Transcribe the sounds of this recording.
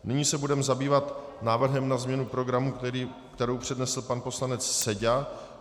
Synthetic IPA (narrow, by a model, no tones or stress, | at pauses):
nɪɲiːsɛbudɛmɛzabiːvat̪naːvr̩ɦɛmnazmɲɛnupɾo̞ɡɾamuɾi | kt̪ɛɾowpr̝̥ɛdnɛsl̩panpo̞slanɛt͡sːɛɟa